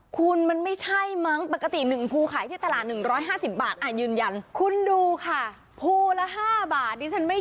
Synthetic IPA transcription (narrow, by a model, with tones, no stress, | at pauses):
kʰu˧nma˧nma˥˩jt͡ɕʰa˥˩jma˦˥ŋpa˨˩kːa˧t̪i˨˩nɯ˨˩ŋpʰuː˧kʰaː˨˩˦jt̪i˥˩t̪a˧laː˨˩t̪̚nɯ˨˩ŋɾɔː˦˥jɦaː˥˩si˨˩p̚baː˨˩t̪̚ʔaː˨˩t̪̚jɯː˧nja˧nkʰu˧nduː˧kʰa˥˩ | pʰuː˧la˦˥ɦaː˥˩baː˨˩t̪̚niː˧˩t͡ɕʰa˦˥nma˥˩